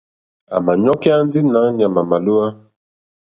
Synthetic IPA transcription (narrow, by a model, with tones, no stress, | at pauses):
a̰˨ma˨ɲɔ˦kɛ˦a˦n˦di˦na˨˦ɲ˨a˨ma˨ma˨lu˦a˦